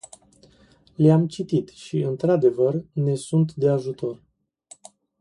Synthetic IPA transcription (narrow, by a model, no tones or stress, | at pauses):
leamt͡ʃit̪it̪ʃiɨnt̪ɾad̪e̞vərne̞sunt̪d̪e̞aʒut̪o̞r